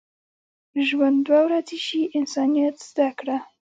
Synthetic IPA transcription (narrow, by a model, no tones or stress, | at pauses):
ʒwand̪wawɾaziʃiʔɪnsɑnijat̪z̥d̪akɽa